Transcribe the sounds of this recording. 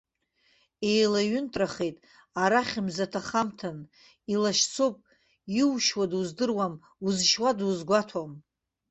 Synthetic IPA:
e̞jlaɥʏntʼraχe̞jtʼ | aɾaχʲimzatʰaχamtʰan | ilaʃt͡sʰopʼ | iwʃwaduzdɨrwam | uzʃwaduzɡʷatʰom

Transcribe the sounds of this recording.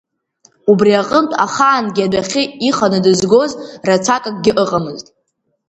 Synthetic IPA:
ubriaqʼəmtʼaχaːnɡʲɪadaχʲɪiχanɨdɨzɡo̞zrat͡sʷʰakʼakʼɡʲɪʔɨqʼamɨztʼ

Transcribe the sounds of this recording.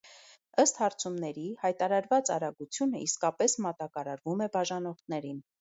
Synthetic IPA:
əst̪hɑɾt͡sʰumnɛɾihɑjt̪ɑɾɑɾvɑt͡sɑ̰ɾɑɡut͡sʰjunəʔiskɑpɛsmɑt̪ɑkɑɾɑɾvumɛbɑʒɑnɔʁt̪ʰnɛɾin

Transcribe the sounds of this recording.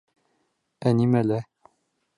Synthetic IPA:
ɛnimɛlɛ

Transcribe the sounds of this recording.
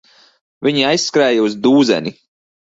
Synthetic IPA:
vʲiɲiajsskɾɛːjauzd̪uːzɛ̰nʲi

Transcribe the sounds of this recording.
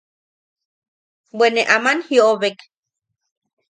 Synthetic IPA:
wʷeneʔamanhiooβek

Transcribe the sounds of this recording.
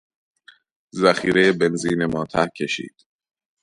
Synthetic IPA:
zæxiːɾejebe̞nziːnemɒːt̪ʰæhcʲʰe̞ʃḭːd̪̥

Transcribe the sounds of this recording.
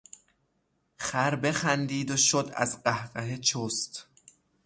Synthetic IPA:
xæɾbe̞xænd̪iːd̪oʃod̪æ̰zɢæhɢæhet͡ʃʰost̪

